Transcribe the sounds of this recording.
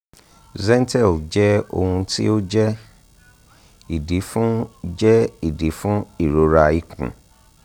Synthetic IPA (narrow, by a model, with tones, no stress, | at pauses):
zɛ̃˦n˦tɛ˦˨ld͡ʒɛ˦o̰˧hũ˧tḭ˦o˦d͡ʒɛ˦ | i˨di˨˦fũ˦d͡ʒɛ˦i˦˨di˨˦fũ˦i˦˨ɾo˨˦ɾa˧i˦˨kṵ̃˨